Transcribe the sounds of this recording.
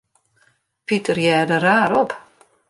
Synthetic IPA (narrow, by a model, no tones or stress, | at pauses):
pitərjɛːdəɾaːɾɔp